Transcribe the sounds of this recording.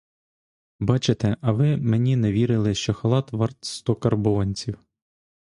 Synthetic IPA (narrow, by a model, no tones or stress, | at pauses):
bɑt͡ʃet̪ɛʔɐʋɪmenʲineʋʲiɾɪlˠɪʃt͡ʃɔxɐlˠɑt̪ʋɑrt̪st̪ɔkɐrbʊɔnʲt͡sʲiw